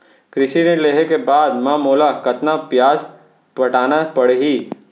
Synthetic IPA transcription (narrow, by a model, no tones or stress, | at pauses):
kɾɪʃineleːɦekebaːd̪mãmoːlakɐt̪napjaːd͡ʒ | pɐʈaːnapɐɽeɦiː